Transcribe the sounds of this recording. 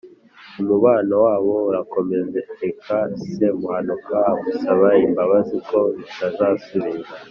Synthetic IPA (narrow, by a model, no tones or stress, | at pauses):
numuβaːnawaːβo̞uɾako̞me̞zetekʰase̞muhanukʰaɡusaβaimbaβaziko̞βitazaːsuɾiɾa